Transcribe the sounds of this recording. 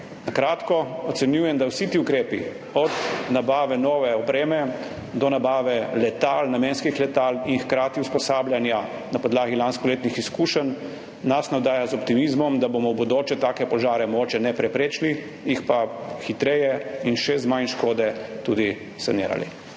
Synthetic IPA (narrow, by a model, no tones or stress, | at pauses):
nakɾaːt̪kɔɔt̪sɛnjuːjɛmd̪awsit̪iukɾeːpi | ɔd̪nabaːʋɛnɔːʋɛɔpɾeːmɛ | d̪ɔnabaːʋɛlɛt̪alnameːnskixlɛt̪aːlinxkɾaːt̪iuspɔsaːblʲjanja | napɔd̪laːɡilanskɔleːt̪nixiskuːʃənː | asnawd̪aːjazɔpt̪imizmɔmd̪abomɔbɔd̪oːt͡ʃɛt̪aːkɛpɔʒaːɾɛmɔɡoːt͡ʃɛnɛpɾɛpɾeːt͡ʃli | jixpaxit̪ɾɛjɛinʃɛzmajnʃkoːd̪ɛt̪ud̪i | sanḭːɾa̰lḭ